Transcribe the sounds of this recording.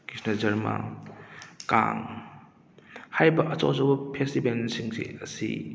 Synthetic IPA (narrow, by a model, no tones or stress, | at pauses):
kisnɐd͡ʒɐɾma̰ | ka̰ŋ | hajbɐʔɐt͡ʃa̰wzawbɐpʰestibensiŋsḭɐsḭ